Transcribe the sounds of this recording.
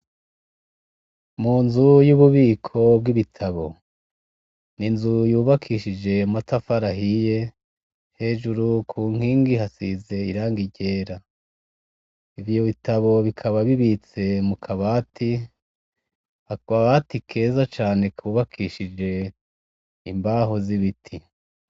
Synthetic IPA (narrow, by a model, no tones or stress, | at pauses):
muːnzujuβuβiːkʰo̞b̚ɡiβitʰaβo̞ | ninzujuːβakʰiʃid͡ʒe̞matafaɾaɦije̞ | he̞ːʒuɾukʰuːŋ̥hiːŋɡiɦasize̞iɾaːŋɡiɟe̞ːɾa | ivjo̞βitaβo̞βikʰaβaβiβit͡se̞mukʰaβaːtʰi | haaβatikʰe̞ːzat͡ʃaːnekʰuβakʰiʃid͡ʒe̞ | imbaɦoziβitʰi